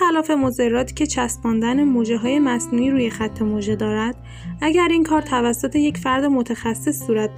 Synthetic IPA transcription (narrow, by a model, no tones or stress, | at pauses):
ælɒːfe̞moze̞rːɒːt̪ʰi̥cʰe̞t͡ʃʰæst̪mɒːnd̪ænemoʒeɦɒːje̞mæsnuːiːɾuːje̞xæt̪ʰːe̞moʒed̪ɒːɾæd̪̥ | æɟæɾiŋkʰɒːɾt̪ʰævæsːot̪ʰe̞jecfæɾd̪emot̪ʰæxæsːesːuːɾæt̪̚